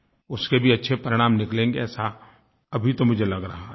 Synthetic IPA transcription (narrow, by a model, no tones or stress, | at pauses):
ʊskebʱiɐtːʃʰepɐɾɪɽ̃aːmnɪklẽːŋɡeɛːsa | ɐbʱit̪omʊd͡ʒʱelɐɡɾɐɦaɦ